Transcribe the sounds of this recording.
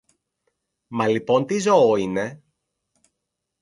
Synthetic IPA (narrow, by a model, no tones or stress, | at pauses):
mɐlipo̞nt̪izo̞oine̞